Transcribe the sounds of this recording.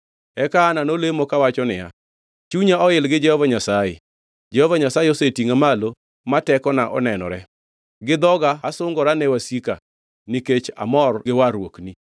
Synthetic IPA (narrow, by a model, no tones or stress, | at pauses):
ɛkaːnanolemokawat͡ʃɔnɪja̰ | t͡ʃuɲaɔɪlɡɪd͡ʒɛhɔvaɲasajḛ | d͡ʒɛhɔvaɲasajɛosetiŋamalo | matɛkɔnaʔɔ̰nɛnɔ̰ɾɛ | ɡɪd̪ɔɡaːsʊŋɡɔɾanɛwasika | niket͡ʃa̰mɔrɡɪwaɾwokni